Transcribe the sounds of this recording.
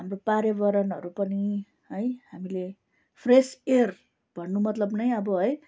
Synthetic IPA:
ɦamropaɾjʌbʌɾʌnɦʌɾupʌni | ɦʌjɦamile | pʰreser | bʱʌnːumʌt̪lʌbnʌjʌbʌɦʌj

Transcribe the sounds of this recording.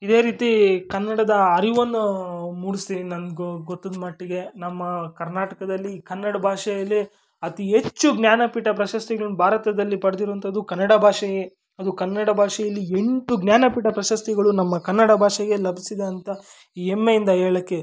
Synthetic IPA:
id̪e̞ːɾiːt̪ikɐnːɐɽɐd̪ɐɐɾiʋond̪umuːɾisinɐnɡɡot̪ːɐd̪mɐʈːiɡe̞nɐmːɐkɐɾnaːʈɐkɐd̪ɐlːikɐnːɐɽɐbʱaːʂɛjɐlːi | ɐt̪iɦe̞t͡ʃːuɡnjaːnɐpiːʈɐpɾɐʃɐst̪iɡɐɭɐnbʱaːɾɐt̪ɐd̪ɐlːipɐɽd̪iɾoʋɐnt̪ʰɐd̪ukɐnːɐɽɐbʱaːʂɛɡe | ɐd̪ukɐnːɐɽɐbʱaːʂɛjɐlːieɳʈuɡnjaːnɐpiːʈɐpɾɐʃɐst̪iɡɐɭunɐmːɐkɐnːɐɽɐbʱaːʂɛɡe̞lɐbʱisid̪eɐnt̪ɐ | iːemːejind̪ɐɦeːɭɐkːe̞

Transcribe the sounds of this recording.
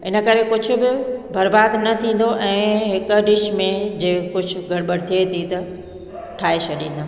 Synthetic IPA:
ɪnə̆kɐɾekʊd͡ʑʱʊ̆bɪbɐɾbaːd̪nɐt̪ʰĩːn̆d̪oʔɛ̃ːɦɪkʊ̆ɗɪʃmẽd͡ʑeːkʊd͡ʑʱʊ̆ɡʱɐɽbəɽɪt̪ʰiet̪ʰit̪ɐ | ʈʰaːet͡ɕʰɐɗḭ̃ːn̆d̪aː

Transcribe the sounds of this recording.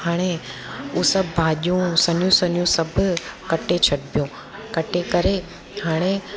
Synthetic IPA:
haːɽ̃eusɐbbʱaːʄjũsɐnjũsɐnijũsɐbkɐʈet͡ɕʰɐʈ̚pijõ | kɐʈekɐɾe | haːɽ̃e

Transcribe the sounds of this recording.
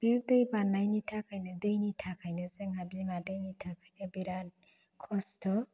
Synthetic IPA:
b̥iɾd̪ɯjbanːajnitʰakʰʌjnʌdɯjnitʰakʰʌjnʌzəŋabimadɯjnitʰakʰʌjnʌbiɾan | kʰost̪ʰɔ

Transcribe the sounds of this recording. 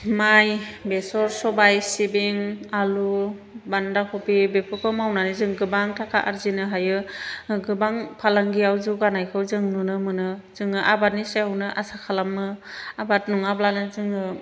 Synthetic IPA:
majbesɔɾsɔbajsibiŋalu | bandakʰɔpibepʰɯkʰɔmawnanizɯŋɡɯbaŋtʰakʰaʔaɾzinɯɦajɯɡɯbaŋpʰalaŋɡijawzuɡanajkʰɯwzɯŋnunɯmɯnɯzɯŋɯʔabat̚niseawnɯʔasakʰalamːɯabat̚nuŋablanɯzɯŋɯ

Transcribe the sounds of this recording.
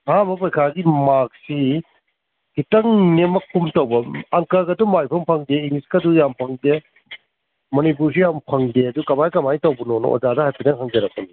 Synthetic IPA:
mamɐpojkʰaɡimak̚si | ɡ̥itɐŋnemɐkʰumtɐwbɐɐŋkɐɾɡɐdumajpʰɐŋpʰɐŋdeiŋiskɐdujampʰɐŋde | mɐnip̬uɾs̬ijampʰɐŋdeɐdukɐmajkɐmajtɐwbunono̰ʔo̰zadɐhajpʰinɐŋɦɐŋd͡ʒɐɾɐk̚pɐni

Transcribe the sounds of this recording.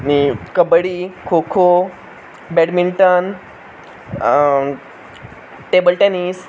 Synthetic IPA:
nikəbəɽikʰokʰo | bɛɽmiɳʈən | ʈebəlʈenis

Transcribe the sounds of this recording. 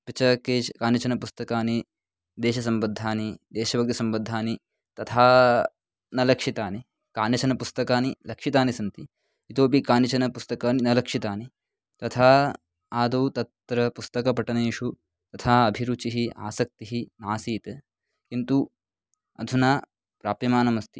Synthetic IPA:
pit͡ʃɐkeːt͡ʃkaːnjɐt͡ʃɐnɐpust̪ɐkaːni | d̪eːʃɐsɐmbɐd̪ʱːaːnid̪eːʃɐʋɐk̚t̪isɐmbɐd̪ʱːaːni | t̪ɐt̪ʰaː | nɐlɐkʂit̪aːni | kaːnjɐt͡ʃɐnɐpust̪ɐkaːnilɐkʂit̪aːnisɐnt̪i | it̪oːp̬ikaːnit͡ʃɐnɐpust̪ɐkaːninɐlɐkʂit̪aːni | t̪ɐt̪ʰaː | aːd̪ɐwt̪ɐt̪ːɾɐpust̪ɐkɐpɐʈɐneːʃu | t̪ɐt̪ʰaːɐbʱiɾut͡ʃiɦia̰ːsɐk̚t̪iɦinaːsiːt̪ɐ | kint̪u | ɐ̰d̪ʱunaː | pɾaːpɐmaːnɐmɐst̪i̥

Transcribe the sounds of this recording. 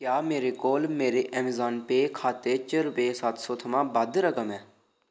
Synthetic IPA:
kjaːmeːɾeːkoːlmeːɾeːʔɛmzaːnpeːkʰaːt̪eːt͡ʃəɾpeːsət̪soːt̪ʰəmãːbəd̪ɾəkəmɛː

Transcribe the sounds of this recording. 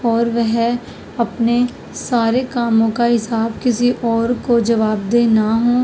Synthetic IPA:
ɔːɾʋɛɦ | ɐpne | saːɾekaːmõkaɦɪsaːbkɪsiʔɔːɾkod͡ʒɐʋaːbd̪eːnaɦõː

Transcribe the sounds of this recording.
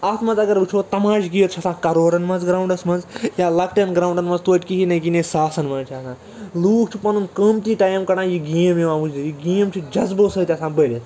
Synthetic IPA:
ɐt̪ʰmɐ̃nzɐɡɐɾbɨt͡ʃʰoːt̪ɐmaːʃɡijɐt̪̚t͡ʃʰɐsãːkɐɾoːɾɐnmɐnzɡɾaːwũɳɖɐsmɐnzjaːlɐk̚ʈɐnɡɾaːwɳɖɐnmɐnzt̪uʋːʈʲkiɦinɐɡinẽsaːsɐnmɐːnt͡ʃʰiɐsãː | luːkʰt͡ʃʰipɐnunkəːmt̪iːʈaːjɐmkɐɽãːjiɡiːmjeʋãːmud͡ʒd̪ʲijiɡiːmt͡ʃʰid͡ʒɐzboːsɐːt̪ʲiɐsãːbəːlʲɐt̪

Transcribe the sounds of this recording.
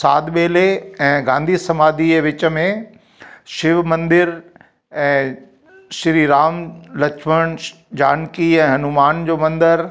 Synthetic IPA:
saːd̪ɓeːleɛ̃ːɡãːnd̪ʱisɐmaːd̪iʋɪt͡ɕə̆mẽ | ʃɪʋmɐ̃nd̪ɪɾ | ɛ̃ː | ʃɪɾiːɾaːmlɐkʰməɽ̃ | d͡ʑaːnkiɛ̃ːɦɐnumaːnd͡ʑoːmɐ̃nd̪əɾ

